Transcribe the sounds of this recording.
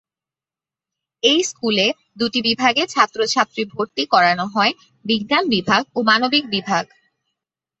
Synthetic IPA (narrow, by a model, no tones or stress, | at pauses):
ejskule | d̪uʈibibʱaɡet͡ɕʰat̪ːɾot͡ɕʰat̪ːɾibʱoɾt̪ikɔɾanoɦɔe | biɡnanbibʱaɡ̚omanobik̚bibʱaɡ